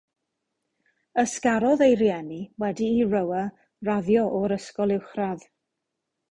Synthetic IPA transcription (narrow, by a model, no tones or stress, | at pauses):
əskaɾɔðejɾjɛniwɛdiːrəwə | raðjɔʔɔɾəskɔlˠɪwχrað